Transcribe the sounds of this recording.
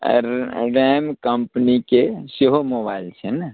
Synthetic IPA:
ɾɾɛːmkəmpnikeseɦomoːbaːɪlt͡ʃʰena

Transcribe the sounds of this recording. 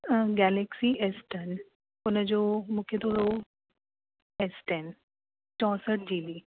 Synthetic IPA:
ɡɛleksiʔesʈən | ʊnəd͡ʑoːmʊkʰed̪oːɾo | esʈen | t͡ʃɔ̃ːsəʈ̚d͡ʑiːli

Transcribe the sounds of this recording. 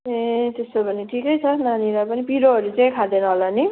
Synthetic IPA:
et̪esopʌniʈʰikʌjt͡sʰʌnaniɾapʌnipiɾoɦʌɾut͡saĩkʰad̪enʌɦolani

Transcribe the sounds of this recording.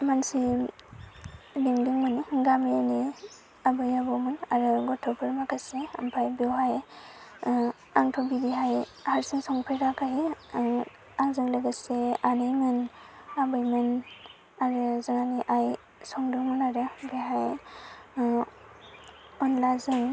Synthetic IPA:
mansi | diŋdɯŋmɯniɡamijani | abɯjabɔmɯnaɾɯɡɔtʰːɔpʰɯɾmakʰasea̰mpʰajbewɦaj | aŋtʰɔbidiɦajhaɾsiŋsɔŋpʰejɾakʰaɦe | aŋzɯŋlɯɡɯseanɯjmɯnabɯjmɯn | aɾɯzɯŋaniʔaj | sɔŋdɯŋmɯnaɾɯbeɦaj | ɔnlazɯŋ

